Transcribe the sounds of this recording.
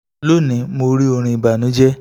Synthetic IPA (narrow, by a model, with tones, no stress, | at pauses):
lo˦˨nĩ˨˦mo˧ɾi˦o˧ɾ̃ĩ˧i˨ba˨nũ˨˦d͡ʒɛ˦